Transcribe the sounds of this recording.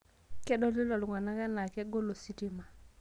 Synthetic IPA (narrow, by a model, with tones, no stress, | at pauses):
kɛ˦ɗɔ˦lɪ˦lɔ˨lŋwa˨na˦ka˦na˨kɛ˦ɡo˦lo˨si˦ti˦ma˨